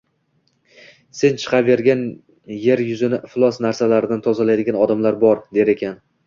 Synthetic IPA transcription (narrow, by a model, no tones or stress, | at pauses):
se̞nt͡ʃʰɨ̥qʰɑpve̞ɾɡʲan | je̞ɾjʊzɪnɪflˠɒsnaɾsalaɾɪd̪ant̪ʰɒzalajd̪ɪɡʲanɒd̪amlaɾbɒɾd̪e̞ɾe̞kʲʰan